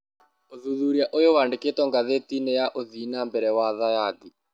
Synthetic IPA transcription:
oðuðuːɾiaʔojowandeketɔŋɡaðetinɛjaʔoðiːnambɛɾɛwaðajadi

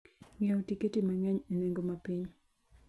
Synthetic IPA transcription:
ŋɛotiketimaŋɛɲeneŋɡomapiɲ

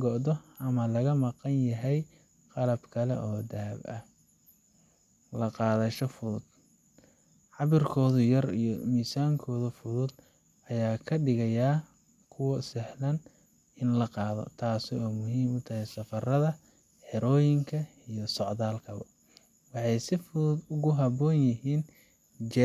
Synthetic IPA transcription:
ɡɔd̪ɔʔɐmɐlɐɣɐmɑqɑnjɐɦɛj | qɑlɐbkʰɐlɛ̰ʔɔːd̪ɐɐbɐ̰ | lɐqɑːðɐʃɔfʊðʊd̪̥ | ʕɑβɪrkʰɔːðʊjɐrḭjɔmiːsaːŋkʰɔːðʊfʊðʊd̪ | ʔɐjaːkʰɐɖɪɣɐjaː | kʰʊwɐsɪħlɐn | ɪnlɐqɑːðɔ̰t̪ʰaːsɪɔːmʊhiːmʊt̪ʰɐɦɛjsɐfɐrɐðɐ | ħɪɾɔːjɪŋkʰɐ | ijɞsɔʕðaːlkʰɐβɐ̰ | wɑħɑjsɪfʊðʊd̪ʊɣʊɦɐbɔːnjɪɦiːn | t͡ʃɛ

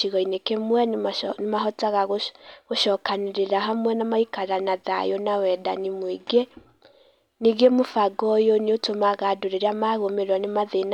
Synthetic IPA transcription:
iɣɔinekemwɛnemaɦɔtaɣaɣoɣoʃɔːkaneɾeɾaɦamwɛnamaikaɾanaða̰jonawɛda̰nimwiɡe | niɡemofaɡɔjoneotomaɣadoɾeɾeamaɣomeɾwɔnemaðen

